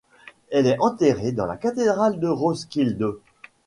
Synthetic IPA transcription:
ɛlɛɑ̃t̪eʁed̪ɑ̃la̰kat̪ed̪ʁald̪əʁoskʲild̪o

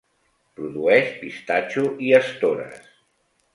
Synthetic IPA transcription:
pɾuðuɛʃpist̪at͡ʃuʔiəst̪oɾə̰s

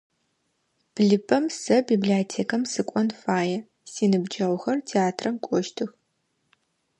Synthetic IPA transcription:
b̥ɮɨpʰʼɐmsɐbibliotʰeːkʰɐmsɨkʷʼɔnfaːjɛ | siːnɨbd͡ʒɐʁʷwʷxɐrtʰeaːtʰrɐmkʷʼɔʃtʰɨx

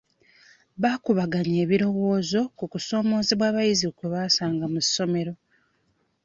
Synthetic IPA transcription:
βaːkuβaɡaɲe̞ːβiɾo̞wo̞ːzo̞kukuso̞ːmo̞ːzeβwaːβajizikeβaːsaːŋɡamu̥so̞me̞ɾo̞

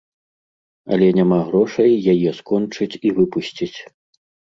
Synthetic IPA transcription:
ɐ̰lʲɛnʲamaɣɾɔʂɐjːajɛskɔnt͡ʂɨt͡sʲivɨpusʲt͡sʲit͡sʲ

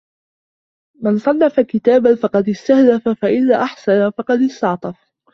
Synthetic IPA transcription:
mansˤɑnːɑfakɪt̪aːbanfɑqɑd̪ɪst̪ahlafafaʔɪðaːʔaħsanafɑqɑd̪ɪst̪ɑʕt̪ˤɑf

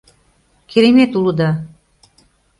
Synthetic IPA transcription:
kʰeɾemet̪ulud̪ɑ

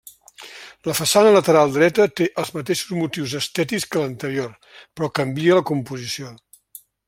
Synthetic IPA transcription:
ləfəsanələt̪əɾalˠd̪ɾɛt̪ət̪eʔəlˠzmət̪eʃu̥zmut̪iwzəst̪ɛt̪ikskələnt̪əɾior | pɾɔkəmbiələkumpuzisio

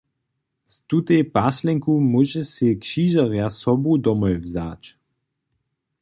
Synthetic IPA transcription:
st̪ut̪ɛjpaslɛŋkumuʒɛsɛkʃiːʒaʁjasɔbud̪ɔmɔjvzaːt͡ʃ

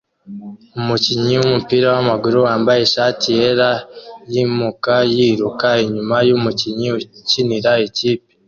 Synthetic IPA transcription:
umuciɲiwumupiɾawamaɡuɾuwaːmbajeʃaːtijeɾajimukajiːɾukaeɲumajumuciɲiuciniɾaeciːpi̥

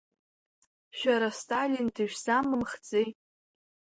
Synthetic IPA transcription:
ʃᶣaɾastʰʼalʲindɨʒᶣsamɨmχt͡sʼej

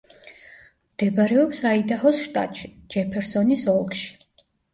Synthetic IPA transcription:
md̪̥ɛbaɾɛɔpsaid̪ahɔsʃt̪ʼa̰t̪ʼʃi̥d͡ʒɛpʰɛɾsɔnisɔlˠkʃi̥

